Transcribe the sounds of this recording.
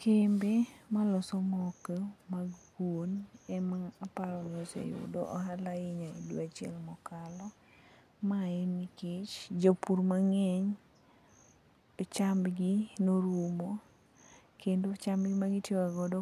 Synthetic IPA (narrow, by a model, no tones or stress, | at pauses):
kembemalɔsɔmɔkəmaɡ | wonɛmaːpaɾɔnosḛjṵdo̰ʔɔ̰ɦalaɪɲaiduat͡ʃɪɛlmɔkalɔ | maɛnikɪt͡ʃd͡ʒopuɾmaŋɛɲ | t͡ʃambɡinoɾumo | kendot͡ʃambɡɪmaɡitjeaɡɔdɔ